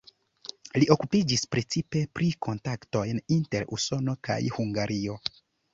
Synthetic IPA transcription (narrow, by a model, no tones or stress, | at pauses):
liʔo̞kupid͡ʒispɾet͡sipe̞pɾiko̞ntakto̞jninteɾṵso̞no̞ka̰jhuŋɡaɾio̞